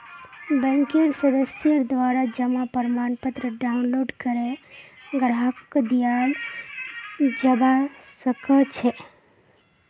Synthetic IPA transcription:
bɛ̃ŋkeɾsəd̪əsjəɾd̪ʋaːɾad͡ʒəmapəɾmaːnpət̪ɾəɖaʊnloɖkəɾeɡɾakkd̪ijal | d͡ʒəbasəkət͡ʃʰe

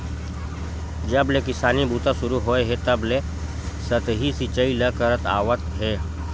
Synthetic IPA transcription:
d͡ʒəblekɪsaːnibuːt̪asʊɾuɦoːeɦet̪əble | sət̪ɦisit͡ʃəiləkəɾət̪a̰ːʋət̪ɦɛː

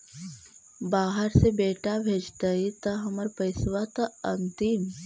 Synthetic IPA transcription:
baːɦəɾsebeːʈabʱeːd͡ʒt̪aɦit̪ɐɦɐməɾpɐɪsʋat̪ɐɐnt̪im

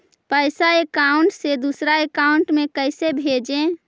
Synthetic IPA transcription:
pəɪsaekauɳʈsed̪usɾaekauɳʈmekəɪsebʱed͡ʒẽ

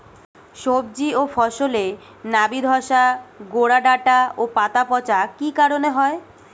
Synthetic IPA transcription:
ʃob̚d͡ʑiofɔʃole | nabid̪ʱɔʃaɡoɽaɖaʈaopat̪apɔt͡ɕakikaɾoneɦɔe

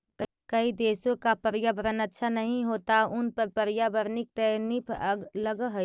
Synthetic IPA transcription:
kəid̪eːsõkapəɾjabəɾənətːʃʰanəɦĩɦoːt̪aʊnpəɾpəɾjabəɾnɪk̚ʈenɪpʰəɡləɡəɦo

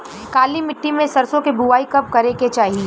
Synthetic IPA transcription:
kaːlimɪʈːimẽsɐɾsõkebuʋaːikɐp̚kɐɾeket͡ʃaːɦie

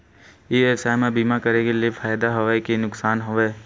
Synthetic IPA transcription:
iːesaːjmẽbiːmakəɾekeliefʰaːjd̪aɦoʋekenʊksaːnɦoʋeː

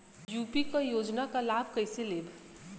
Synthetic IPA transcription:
juːpikajoːd͡ʒnakalaːb̚ʱkəɪseleːbʱ

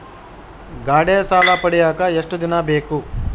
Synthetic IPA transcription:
ɡaːɽeːɐsaːlɐpɐɽijaːkɐeʂʈud̪inɐbeːku

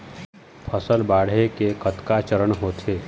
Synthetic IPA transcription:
pʰəsəlbaːɽ̤ekekət̪kat͡ʃəɾəɳɦoːt̪ʰeː

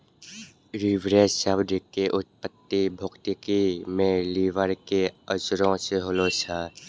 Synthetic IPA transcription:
ɾiʋɾeːsəbd̪ɪkːeʔʊt̪̚pət̪ːibʱʊkt̪ɪkimẽliːʋəɾkeəsɾõseɦolot͡ʃʰa

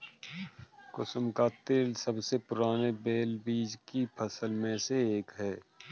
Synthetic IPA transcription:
kʊsəmkat̪eːlsəbsepʊɾaːnebeːlbiːd͡ʒkipʰɐsəlmẽseeːkɦɛː

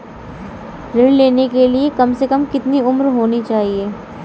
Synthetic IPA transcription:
ɾɪɽleːnekeliekɐmsekɐmkɪt̪niʊmɾɦoːnit͡ʃaːɦieː

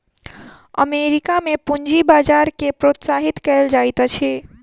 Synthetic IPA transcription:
ə̰meɾikamepund͡ʒibad͡ʒaɾkepɾot̪saɦit̪kɛld͡ʒajt̪t͡ʃʰɛ

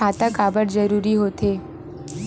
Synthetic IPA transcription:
at̪akabəɽd͡ʒəɾuːɾiɦoːt̪e

